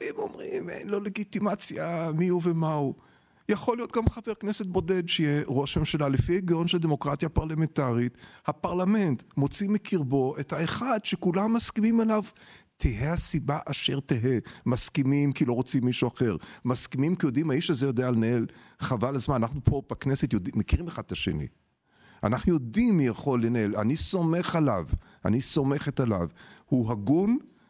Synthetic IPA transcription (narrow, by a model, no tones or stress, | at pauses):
imo̞mʁimḛjnlo̞le̞ɡit̪imat͡sjamiuvemau | jaχo̞lijo̞t̪̚ɡamχave̞ʁkne̞set̪̚bo̞de̞d̪ʃejeʁo̞ʃhemʃelalefieɡaonʃelad̪emo̞kʁat̪japaʁlamentaʁit̪hapaʁlame̞nt̪mo̞t͡simekʰiʁbo̞ʔe̞thaeχadʃekulamːaskimimelavtʰiɦehasibaʔaʃe̞ʁt̪eɦemaskimimkilo̞ʁo̞t͡simːiʃuaχe̞ʁmaskimimkijo̞d̪imhaiʃazejo̞d̪ealenaelχavalazmananaχnupʰo̞b̥akne̞set̪jodimekiʁimeχad̪̚t̪aʃḛnḭ | a̰naχnujo̞d̪imːijaχo̞lːenaela̰niso̞me̞χalav | a̰niso̞me̞χet̪ala̰vhuɦaɡun